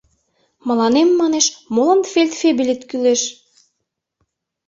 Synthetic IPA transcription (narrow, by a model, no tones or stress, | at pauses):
mə̆lɑnemːɑneʃmolənfelʲt̪febelʲet̪kyleʃ